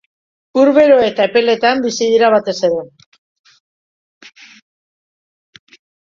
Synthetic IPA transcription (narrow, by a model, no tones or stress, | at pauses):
uɾβe̞ɾo̞e̞t̪ape̞le̞t̪ambisiðiɾaβ̞at̪e̞se̞ɾe̞